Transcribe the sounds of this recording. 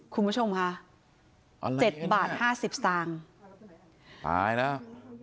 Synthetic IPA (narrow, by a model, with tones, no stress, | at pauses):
kʰu˧nbu˦˥t͡ɕʰo˧mkʰa˦˥ | ʔt͡ɕe˨˩t̪̚baː˨˩t̪̚haː˥˩si˨˩p̚saː˧ŋ | t̪a̰ː˧˩jna˦˥˩